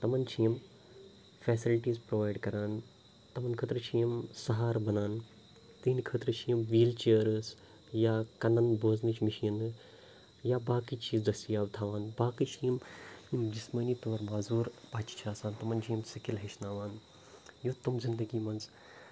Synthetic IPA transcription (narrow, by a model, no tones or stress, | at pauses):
t̪ɐmɐnt͡ʃʰijm | fɛːsilʈiːzpɾoʋaːjɖkɐɾaːn | t̪ɐmɐnkʰət̪ɾɨt͡ʃʰijəmsɐɦaːɾbɐnaːn | t̪iːnikʰət̪ɾɨt͡ʃʰijmʋiːlt͡ʃeɾɨs | jaːkɐnɐnboːznit͡ʃʰmiʃin | jaːbaːkit͡ʃiːzd̪ɐsijaːʋt̪ʰaːʋaːnbaːkit͡ʃʰijmmd͡ʒɪsməniːt̪oːɾmaːzuːɾpaːt͡ʃt͡ʃʰaːsaːnt̪ɐmɐnt͡ʃʰimsɐkilɦɐʃnaːʋaːn | jot̪umzɪnd̪əɡiːmɐnz